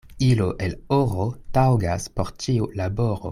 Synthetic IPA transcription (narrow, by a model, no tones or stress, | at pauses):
iloʔeloʁotawɡaspo̞ɾtiulabo̞ɾo̰